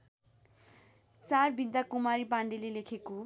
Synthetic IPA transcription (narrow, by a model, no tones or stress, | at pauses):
t͡sarbid̪ːakumaɾipaɳɖilelekʰeko